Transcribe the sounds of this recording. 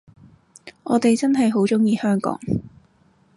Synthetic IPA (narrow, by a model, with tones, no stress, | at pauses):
ʔɔː˨˧˥t̪e˨jt͡sɐ˥nɦɐ˨jɦo˨˥wt͡sʊ˥ŋjiː˨˧hœː˥ŋkɔ̰ː˨˥ŋ